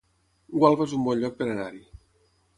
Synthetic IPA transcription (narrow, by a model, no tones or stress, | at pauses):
ɡwalˠvezumbɔnʎɔk̚peɾanaɾi